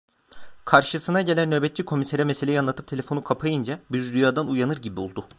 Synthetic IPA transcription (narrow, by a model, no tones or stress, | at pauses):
kʰaɾʃɯsɯnaɟe̞lʲænːø̞ːbɛt̪̚t͡ʃikʰo̞mise̞ɾɛmeseejianlˠat̪ʰɯp̚t̪ʰe̞lʲe̞fo̞nukʰapʰajɯnd͡ʒabiɾd̪yjaːd̪anujanɯɾɟibiolˠd̪ʊ